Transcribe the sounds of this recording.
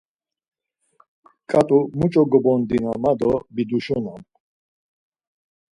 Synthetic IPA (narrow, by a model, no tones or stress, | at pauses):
kʼat̪ʼumut͡ʃʼɔɡɔbɔnd̪inamad̪ɔbid̪uʃɔnam